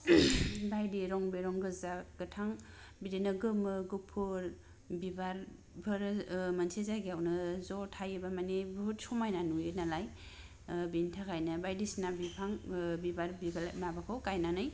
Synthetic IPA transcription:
bajdiɾɔŋbeɾɔŋɡɯzaɡ̥ɯtʰaŋ | bidinɯɡɯmɯɡupʰːɯɾ | bibaɾ | bʰɯɾmansʰezaɡiawnɯzɔtʰajɯbamanibuɦut̚sɔmajnanujɯnalaj | bintʰakʰajnɯbajdisnabipʰaŋbibaɾbibalamabakʰɯwkajnanɯj

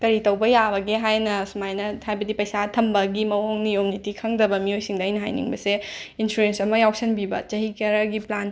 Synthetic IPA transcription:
kɐɾitɐwbɐjabɐɡeɦajnɐsumajnɐhajbɐdipɐjsatʰɐmbɐɡimɐwoŋniomnitikʰɐŋdɐbɐmiojsiŋdɐɐjnɐɦa̰jnḭŋbɐseinsuɾensɐmɐjawsɐnbibɐt͡ʃɐɦikɐɾɐɡiplan

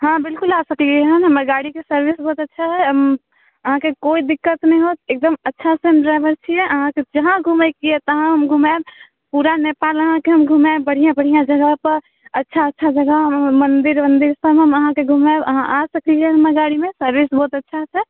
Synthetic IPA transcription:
ɦãbɪlkʊlasəkliɛɦənɦəməɾɡaɽikesəɾʋisbɔːt̪ətːʃʰaɦɛɦəm | əɦãkekoid̪ɪkːət̪nəɦĩɦot̪eːk̚d̪əmətːʃʰasemʈɾaɪbəɾt͡ʃʰiɛʔəɦãked͡ʒəɦãɡʱuməkiɛt̪əɦãɦəmɡʱumab | puɾanepaːləɦãkeɦəmɡʱumabəɽ̤ijãbəɽ̤ijãd͡ʒəɡəɦpəɾ | ətːʃʰaətːʃʰad͡ʒəɡəɦmənd̪ɪɾmənd̪iɾsəbɦəməɦãkeɡʱumabəɦãʔasəkliɛɦəməɡaːɽimẽsəɾʋisbɔːt̪ətːʃʰaɦsɛ

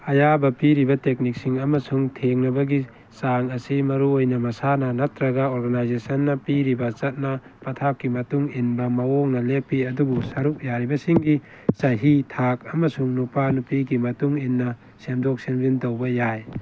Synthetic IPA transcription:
ɐjabɐpiɾibɐtek̚nik̚siŋɐmɐsuŋtʰeŋnɐbɐɡi | saŋɐsimɐɾuojnɐmɐsanɐnatɾɐɡaoɾɡanajzesɐnːɐpiɾibɐt͡ʃɐt̚nɐ | pɐtʰap̚kimɐtuŋinbɐmɐwoŋnɐlepːiɐdubusaɾuk̚jaɾibɐsiŋɡi | saɦitʰak̚ɐmɐsuŋnupanupiɡimɐtuŋinːɐ | semdok̚senbintowbɐjaj

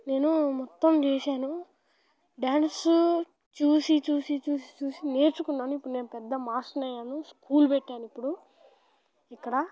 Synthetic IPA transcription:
ne̞ːnumɔt̪ːɐmt͡ʃɛːʃaːnu | ɖaːnsu | t͡ʃuːsit͡ʃuːsit͡ʃuːsi̥t͡ʃuːsine̞ːɾt͡ʃukunːaːnuipːuɽune̞ːnupɛd̪ːɐmaːsʈɐnɐjaːnuskʰuːlpɛʈːaːnuipːuɽu | ikːɐɽɐ

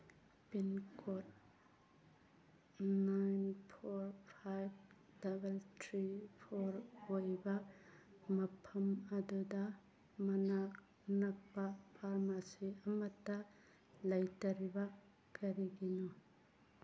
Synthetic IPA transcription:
pinkʰot̚ | najnpʰoɾpʰajb̚ | dabeltʰɾipʰoɾojbɐ | mɐpʰɐmɐduda | mɐnak | nɐk̚papʰaɾmasiɐmɐtːɐ | lɐjtɐɾiba | kɐɾiɡinu

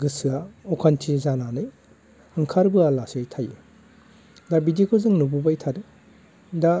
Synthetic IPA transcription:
ɡɯsɯaɔkʰantʰizananɯj | ɯŋkʰaɾbɯalasejtʰaje | dabidikʰuzɯŋnububajtʰaɾe | da

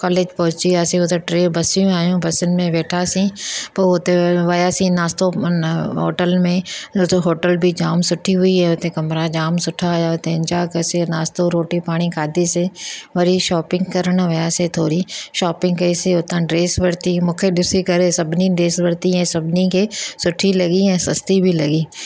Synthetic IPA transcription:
kɔːleːd͡ʒpɐɦʊt͡ʃiaːsĩʊt̪eʈɾeːbɐsijũaːjũbɐsɪnɪ̆mẽʋeːʈʰasĩːpɐʊt̪eʋɐjasĩnaːst̪oɦo̰ːʈəlmẽʊt̪eɦoːʈəlbʱid͡ʒaːmsʊʈʰiɦʊiɦɛ̃ʊt̪ẽkɐmɾad͡ʒaːmsʊʈʰːaɦʊjaʊt̪ẽɪ̃ɲd͡ʒakɐsenaːst̪oɾoːʈipaːɽ̃ikaːd̪ʱiseʋɐɾiʃɔːpɪ̃ŋɡkɐɾəɽʋɐjaset̪ʰoːɾiʃɔːpɪ̃ŋɡkɐiseʊt̪ãɖɾeːsʋɐɽt̪imʊkʰed̪ʊsikɐɾesɐbniɖɾeːsʋəɽt̪iɦɛ̃ːsɐbnikesʊʈʰilɐɡiɦɛ̃sɐst̪ibʱilɐɡiː

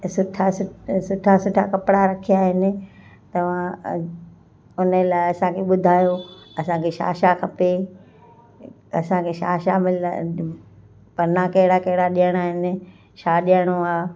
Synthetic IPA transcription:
sʊʈʰasʊsʊʈʰasʊʈʰakɐpɽaɾɐkʰijaːɦɪnɪ̆ | t̪ɐʋ̤ã | ʊnəlaːɪɐsãkʰeɓʊd̪ʱaːjoɐsãkʰeʃa̰ːʃakʰɐpe | ɐsãkʰeːʃa̰ːʃamɪl | pɐɾnakɐɦɪɽakɐɦɪɽaɗijəɽ̃aːɦɪnɪ̆ | ʃaːɗijəɽ̃oaː

